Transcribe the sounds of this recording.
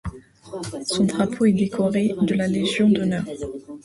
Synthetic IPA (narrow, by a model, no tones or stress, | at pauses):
sɔ̃d̪ʁapʰoɛd̪ekʰɔʁed̪əlaleʒjɔ̃d̪ɔnœːʁ